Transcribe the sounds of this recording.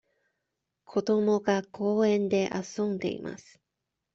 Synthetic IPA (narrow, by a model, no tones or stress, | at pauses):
kʰo̞d̪o̞mo̞ɡakʰo̞ːẽ̞nd̪e̞ʔasõ̞nd̪e̞̰ḭma̰sɨ̥